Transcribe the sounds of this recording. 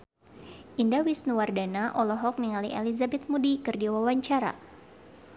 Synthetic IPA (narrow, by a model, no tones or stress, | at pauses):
ʔindawisnuwardanaʔɔlɔɦɔk̚niŋaliʔelizabɛt̪̚mudikɨrdiawawaɲt͡ʃaɾa̰